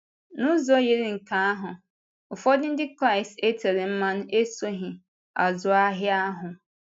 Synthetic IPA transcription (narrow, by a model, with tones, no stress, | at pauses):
nʊ̃˦zɔ˦je˨ɾɪ˦ŋ̩˨kʰã˨˦ɦʊ̃˨ | ʊ˨fɔ˦dɪ̃˦n̩˦dɪ˦kɾa˦˨ɪ˨ste˦tʰe˨ɾɪ˨m̩˦mã˦n˦e˦so˦ɦɪ̃˨ | a˨zʊ˨a˦ɦɪ˦a˦ɦʊ̃˨